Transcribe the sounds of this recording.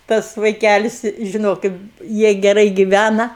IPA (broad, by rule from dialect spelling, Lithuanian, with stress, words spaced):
ˈtɐs ʋɐɪˈkʲælʲɪs ʒʲɪˈnoːkʲɪt ˈjiɛ ɡʲɛˈrɐɪ ɡʲɪˈʋʲænɐ